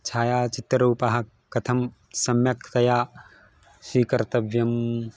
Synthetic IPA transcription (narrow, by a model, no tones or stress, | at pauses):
t͡ʃʰaːjaːt͡ʃit̪ɾuːpɐɦɐ | ɐt̪ʰɐm | sɐmjɐkʰt̪ɐjaː | siːkɐɾt̪ɐbʱjɐm